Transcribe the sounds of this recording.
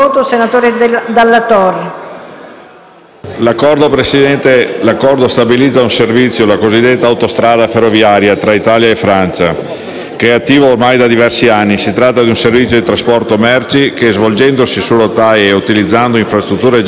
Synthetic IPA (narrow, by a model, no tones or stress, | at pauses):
oːt̪osenat̪oːɾed̪d̪alːat̪ɔːɾi | lakːɔɾd̪opɾesid̪ɛnt̪elakːɔrd̪ost̪abilid̪zːaunservit̪sːjolakozid̪ːet̪ːaːwt̪ost̪ɾaːd̪aferːovjaːɾjat̪ɾait̪aːljaefɾant͡ʃa | keɛat̪ːiːvoːrmajd̪ad̪ivɛrsianːisit̪ɾat̪ːad̪iunservit̪sːjod̪it̪ɾaspɔrt̪omɛrt͡ʃikezvold͡ʒɛnd̪osisulot̪ajeut̪ilid̪zːand̪oiɱfɾast̪ɾut̪ːuːɾe